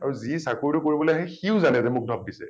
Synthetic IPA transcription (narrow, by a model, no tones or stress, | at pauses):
aɹuzisakuɹdukoɹibɔloɦejxiʊzanɛzɛmʊk̚dʱɔb̚disɛ̰